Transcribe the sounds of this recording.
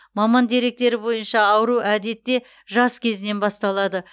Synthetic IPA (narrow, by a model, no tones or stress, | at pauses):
mɑmɑnd̪e̞ɾe̞k̚t̪e̞ɾɪbo̞jənʃɑːwəɾuʔæd̪e̞t̪ːe̞ | ʒɑskʲʰe̞zɪne̞nbɑst̪ɑlˠɑd̪ə